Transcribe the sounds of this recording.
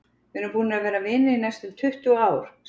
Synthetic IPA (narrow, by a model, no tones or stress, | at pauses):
vɪnʏmpʰuːnɪavɛːɾavɪnːɪinɛjst̪ʏmt̪ʰʏht̪uaːwɾ̥s